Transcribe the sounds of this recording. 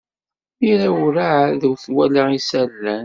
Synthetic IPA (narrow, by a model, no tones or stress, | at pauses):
iɾæwɾaʕðəwθwælaisælːæn